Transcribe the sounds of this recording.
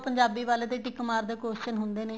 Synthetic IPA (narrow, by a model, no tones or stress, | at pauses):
pəɲd͡ʒaːbiːʋaːleːd̪eːʈɪkːmaːɾd̪eːkoːʃənɦʊnd̪eːneː